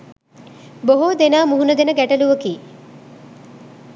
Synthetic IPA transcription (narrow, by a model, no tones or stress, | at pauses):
boɦod̪enaːmuɦunɐd̪enəɡæʈɐluʋɐkiː